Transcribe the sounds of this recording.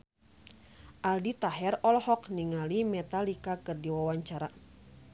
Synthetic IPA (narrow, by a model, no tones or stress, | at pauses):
ʔaldit̪aɦɛrɔlhɔkniŋalimɛt̪alikakɨrdiwawaɲt͡ʃaɾa